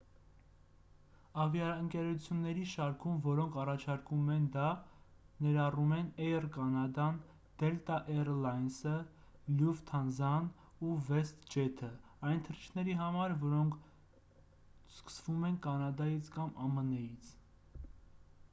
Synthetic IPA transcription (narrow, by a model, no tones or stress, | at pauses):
ɑvjɑəŋkɛɾut͡sʰjunːɛɾiʃɑɾkʰumvɔɾɔŋkʰɑrɑt͡ʃʰɑɾkumɛnd̪ɑ | nɛɾɑrumɛnɛjərkɑnɑd̪ɑn | d̪̥ɛlt̪ɑʔɛrlɑjnsə | ljuvt̪ʰɑnzɑn | uvɛst̪d͡ʒɛt̪ʰə | ɑjnt̪ʰəɾit͡ʃʰnɛɾiɦɑmɑɾvɔɾɔŋkʰ | skə̥svumɛnkɑnɑd̪ɑjit͡sʰkɑmɑmənɛjit͡sʰ